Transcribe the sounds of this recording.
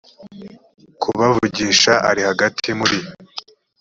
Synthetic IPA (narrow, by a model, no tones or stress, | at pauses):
kʰuβavuɟiːʃaa̰ɾihaɡatʰimuɾi